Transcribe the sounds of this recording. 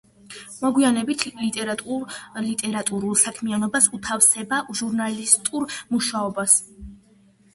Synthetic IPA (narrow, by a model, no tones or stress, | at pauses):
mɔɡwianɛbit̪ʰlit̪ʼɛɾʼlit̪ʼɛɾat̪ʼuɾulˠsakʰmianɔbasut̪ʰafsɛbaʒuɾnalist̪ʼuɾmuʃaɔbas